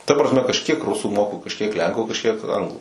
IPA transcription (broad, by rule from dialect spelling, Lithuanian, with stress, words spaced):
tɐ prɐsʲˈmʲɛ kɐʃʲˈkʲiɛk ˈrʊsuː moːkʊ kɐʃʲˈkʲiɛk ˈlʲɛŋkʊ kɐʃʲˈkʲiɛk ˈɐŋɡlˠʊ